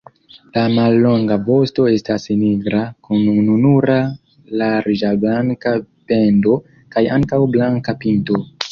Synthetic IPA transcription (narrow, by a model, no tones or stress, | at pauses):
lamalːo̞ŋɡavo̞sto̞e̞stasniɡɾakunununuɾa | laɾid͡ʒablaŋka | pe̞ndo̞ | kajaŋkawblaŋkapinto̞